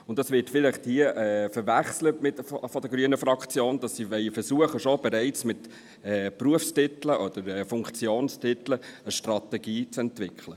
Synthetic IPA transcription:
ʊntɑsʋɪtfɪlɪχthiəʔɛːfəɾʋæχslətmɪtffɔd̥̪əɡ̥ɾyənəfɾɑkt͡sjoːnd̥ɑsːiʋɛɪfəɾsuəχəʃobɛɾɛɪt͡smɪt | ɛːpruəfstɪtləʔɔd̪̥əɾɛfʊŋkt͡sjoːnstʰɪt̪ləəʃtrɑt̪ɛɡiːt͡sɛntʋɪkʰχlə

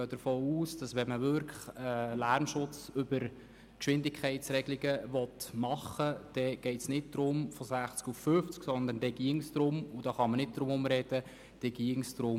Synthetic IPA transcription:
ɡøːd̥̪əɾfoːuːsd̥ɑsʋɛnməʋʏɾkəlæɾmʃʊt͡sʏbəɾ | kʃʋɪndɪkʰχɛɪtsɾɛɡliɡəʋɔtmɑχəd̥ɛɡ̥ɛɪtsnɪt̚d̥̪ɾʊmfɔsæχt͡skuffʏft͡sksɔnd̪ənd̥ɛɡ̥iɪŋst̪ɾʊmʊd̥ɑːχɑmənɪt̚d̥̪ɾʊmʊmɾɛd̥ə | d̥ɛɡ̥iɪŋsd̪ɾʊm

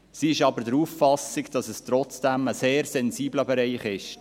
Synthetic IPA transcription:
siɪʃɑbəɾdəɾuːffɑsɪɡd̥ɑsəstɾɔt͡sd̥æməseːɾsɛnziːbləbɛɾɛɪχɪʃ

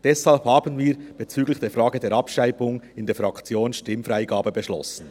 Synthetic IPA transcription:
d̥ɛshalphaːbənviːɾb̥ɛt͡syːɡlɪçd̥eːfʁaːɡədeːɐɾɑpʃaɪbʊŋɪndeːfʁɑkt͡sjoːnʃtɪmfʁaɪɡaːbəbəʃlɔ̰sn̩

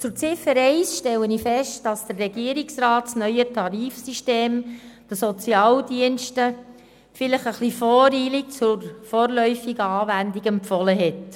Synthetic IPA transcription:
t͡sʊɾt͡sɪfəɾɛɪsʃtɛlːənifɛʃtd̥ɑsd̥ərːɛɡ̥iəɾiksrɑːtsnœʏətʰɑɾiːfsiʃteːmd̥əsɔt͡sjɑːldiənʃtə | fɪləχəχlifɔːɾiːlik̚t͡sʊɾfɔːɾlœʏfiɡəɑːvændiɡɛmpfɔləɦɛt

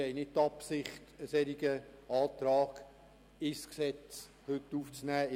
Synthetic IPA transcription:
ɛɪnɪtt̪ɑpsɪχtəsɛɾiɡəɑːt̪ɾɑːɡ̥ | ɪsksɛt͡s | hʏtːuːft͡snæː

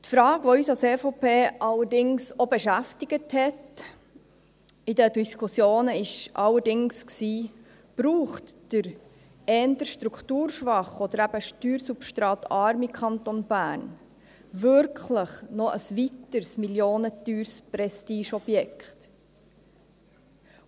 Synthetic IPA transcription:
tfɾɑːɡ̥ʋɔyːsɑlseːfopʰeːʔɑlːəɾdɪŋsobɛʃæftiɡəthɛt | id̪ədiskʰusjoːnəɪʃʔɑlːəɾdɪŋsksiː | b̥ɾuːχtd̥əɾ | ɛːnt̪əɾʃt̪ɾukʰt̪uːɾʃʋɑχɔd̪əɾæb̥əʃtyːɾsupʃtɾɑːt̪ʰɑɾmikʰɑnt̪onb̥æːɾn | vʏɾkʰχləχnɔʔəsʋit̪əɾsmiljoːnət̪yːɾspɾɛstiːʃɔbjɛkχt

